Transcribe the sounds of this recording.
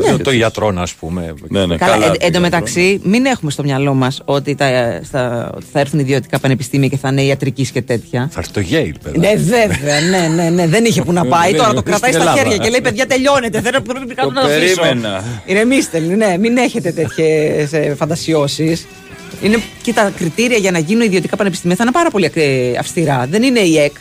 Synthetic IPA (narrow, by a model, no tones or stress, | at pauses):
net̪oɐt̪ɾo̞nɐspumḛkɐlɐʔend̪ome̞t̪ɐksimine̞xume̞st̪o̞mɲɐlo̞mɐso̞t̪it̪ɐst̪ɐo̰t̪i̥θɐeɾθuniðio̞t̪i̥kɐpɐnepist̪imiɐce̞θɐneiɐt̪ɾicisce̞t̪e̞t̪çɐθɐɛɾθi̥t̪oʝeilpḛðnneveve̞ɐne̞ne̞ne̞ðe̞niçe̞punɐpɐit̪o̞ɾɐt̪o̞kɾɐtsɐist̪ɐçe̞ɾʝɐcele̞ipeðʝɐt̪e̞ʎo̞ne̞t̪eθeɾpɾeeikɐt̪onɐɐɾienɐinemist̪elmne̞mine̞çe̞t̪e̞t̪et̪çesefɐnd̪ɐsio̞sis | inecet̪ɐkɾit̪iɾiɐʝɐnɐʝinuniðio̞t̪ikɐpɐnepist̪imiɐθɐinepɐɾɐpo̞lieɐ̰fst̪iɾɐðe̞nine̞ie̞k